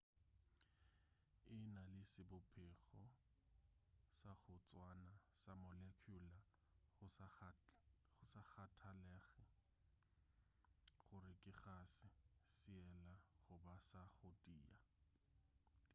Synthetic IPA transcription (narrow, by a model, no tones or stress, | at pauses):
ɪnalɪsɪbʊpʰɛχɔ | saχʊt͡sʼwanasamɔlekʰula | ʊ | χʊsaχatʰalɛːχɛ | χʊɾɪkʼɪχasɪsɪɛlaχʊbasaχʊdʼiːa